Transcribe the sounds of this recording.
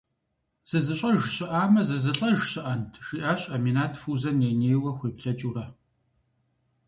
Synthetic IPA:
z̥ɐzɨɕʼɐʒɕɪʔaːmɐzɐzɨɬʼɐʒɕɪʔɐntʰʃiːʔaːɕʼɐmiːnaːtʰfuːzɐnjeːneːjwɐxʷeːpɬɐt͡ʃʼuːɾɐ

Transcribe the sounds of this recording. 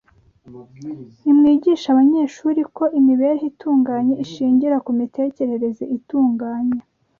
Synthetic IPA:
nimŋiːɟiːʃaβaɲe̞ːʃuːɾiko̞ʔimiβe̞ɾeɦituːŋɡaːɲeʔiʃiːɲɟiɾakumite̞ːce̞ɾe̞ɾe̞zeʔituːŋɡaːɲe

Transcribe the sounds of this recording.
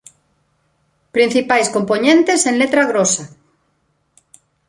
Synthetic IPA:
pɾin̟θipajskompoɲẽnt̪esenlet̪ɾaɣɾosa

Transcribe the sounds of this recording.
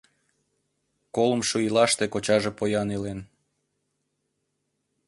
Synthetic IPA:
kolə̆mʃuilɑʃt̪ekot͡ɕɑʒepojɑnilen

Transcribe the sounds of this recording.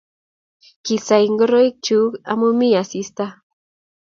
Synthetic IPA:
kisajiŋɡoɾoik̚t͡ʃuka̰mumijasist̪a

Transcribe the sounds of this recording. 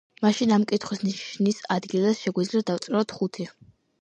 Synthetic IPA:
maʃinamkʼit̪ʰχwisniʃnisad̪ɡilˠasʃɛɡwid̪zliad̪aft̪sʼɾɛɔt̪ʰχut̪ʰi

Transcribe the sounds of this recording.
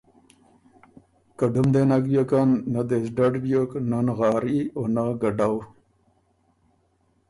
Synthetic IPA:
kaɖumd̪enakbjokanːad̪ezɖaɖbjoknanɣɑːɾionaɡaɖaw

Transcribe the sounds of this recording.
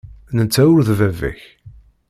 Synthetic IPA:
nət͡sːæʊɾðvævæ̰ç

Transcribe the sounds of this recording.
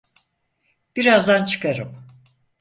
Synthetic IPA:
b̥iɾazd̪ant͡ʃʰɯ̥kaɾɯm

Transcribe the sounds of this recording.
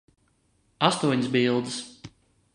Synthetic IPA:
ast̪uɔɲsbilˠd̪ɨs

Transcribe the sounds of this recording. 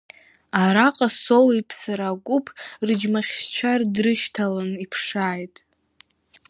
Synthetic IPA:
aɾaqʼasowipʰsaɾaɡʷʼʊpʰrɨd͡ʒmaχʲst͡ʃʷʰardrɨʃtʰalanipʰʂaːjtʼ

